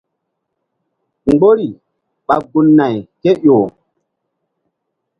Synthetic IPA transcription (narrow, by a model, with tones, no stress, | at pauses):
ŋ˨ɡ͡bo˦ɾi˨ | ɓa˨ɡu˨nːa˨jke˦ʔjoː˨